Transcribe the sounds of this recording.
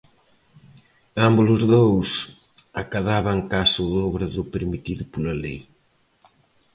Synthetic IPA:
ambulʊzðows | akaðaβaŋkasʊðɔβɾɐðʊpeɾmit̪iðʊpulalej

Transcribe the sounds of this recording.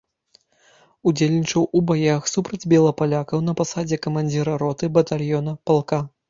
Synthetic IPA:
ud͡zʲelʲnʲit͡ʂɐwubajaxsupɾɐd͡zʲbʲɛlˠɐpalʲakɐwnɐpasad͡zʲɛkɐmanʲd͡zʲiɾɐɾɔt̪ɨbɐt̪alʲjɔnɐpalˠka

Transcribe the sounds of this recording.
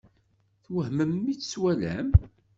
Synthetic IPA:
θwəhməmːiθswælæm

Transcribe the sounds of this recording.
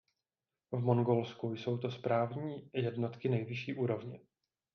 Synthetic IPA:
vmo̞ŋɡo̞lskujso̞wt̪o̞spɾaːvɲiːjɛdno̞t̪kɪnɛjvɪʃiːʔuːɾo̞vɲɛ

